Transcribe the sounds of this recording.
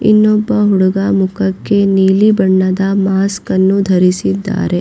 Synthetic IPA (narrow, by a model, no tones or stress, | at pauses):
ḭnːɔbːɐɦuɽuɡamukɐkːe̞niːlibɐɳːɐd̪ɐmaːskɐnːud̪ʱɐɾisid̪ːa̰ːɾe̞